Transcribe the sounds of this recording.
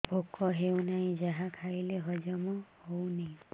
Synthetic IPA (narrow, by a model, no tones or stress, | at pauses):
bʱokɔɦewnaĩd͡ʒaɦãkʰajleɦɔd͡ʒɔmɔhownej